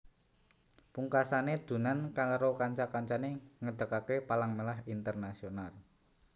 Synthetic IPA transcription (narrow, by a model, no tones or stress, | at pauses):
puŋkasaned̪̥ṳnankaɾokaɲt͡ʃakaɲt͡ʃaneŋəd̪̥ə̤kakepalaŋmelaɦint̪ərnasional